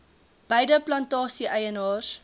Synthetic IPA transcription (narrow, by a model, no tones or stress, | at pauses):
b̥ɐjdəplɐntɑːsiʔəjənɑːr